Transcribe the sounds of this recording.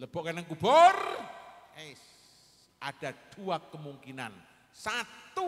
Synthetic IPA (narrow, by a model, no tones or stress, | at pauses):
ləb̥ɔʔkanəŋkubɔr | e | ʔaɖ̥a̤d̪̥uakəmuŋkinan | sat̪u